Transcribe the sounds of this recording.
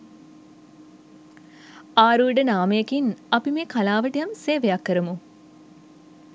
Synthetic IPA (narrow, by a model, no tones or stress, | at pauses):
aːɾuːɖənaːməjekinɐpimeːkalaːʋəʈijamseːʋejakːəɾəmu